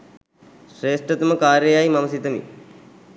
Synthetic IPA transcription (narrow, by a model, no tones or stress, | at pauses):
ʃɾeːʂʈət̪uməkaːɾjəjajmɐməsit̪əmḭ